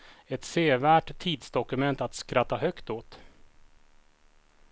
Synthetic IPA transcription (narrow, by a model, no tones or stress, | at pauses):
ɛt̪seːvæːʈt̪ʰːiːd̪sd̪ɔkɵmɛnt̪at̪skɾat̪ːaɦœkt̪oːt̪